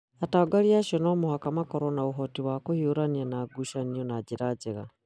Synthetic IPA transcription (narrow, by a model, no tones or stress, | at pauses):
ataɡaɾiaʃɔnoːmohakamakoɾonauɦotiwakohiuɾanianaːɡuʃaniɔnaɟiɾaɟeɣa